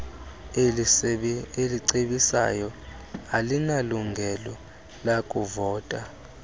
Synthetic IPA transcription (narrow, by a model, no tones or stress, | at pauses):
eliǀeɓisa̰jɔ | alinaluŋɡʱɛlɔ | lakʼuvɔːtʼa